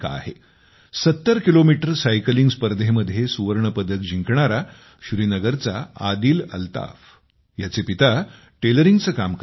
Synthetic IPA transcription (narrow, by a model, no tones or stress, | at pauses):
ka̰a̰ɦe | sət̪ːəɾkilomiʈəɾsajkəliŋɡspəɾd̪ʱeməd̪ʱjesuʋəɾɳəpəd̪ʱət̪̚d͡ʑiŋkɳaɾa | ɕuɾiːnəɡəɾt͡sa̰ad̪iːlə̰lt̪a̰f | jat͡sepit̪a | ʈeləɾiŋɡt͡səːkamk